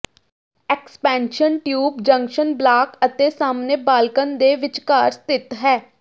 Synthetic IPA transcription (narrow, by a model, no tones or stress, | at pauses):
ɛkspɛːnʃənʈjuːbd͡ʒə̃ŋkʃənblaːkət̪eːsaːmneːbaːlkənd̪eːʋɪt͡ʃkaːɾst̪ɪt̪ɦɛː